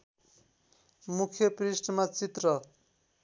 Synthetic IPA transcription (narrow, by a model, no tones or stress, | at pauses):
mukʰjʌprisʈʌmat͡sit̪rʌ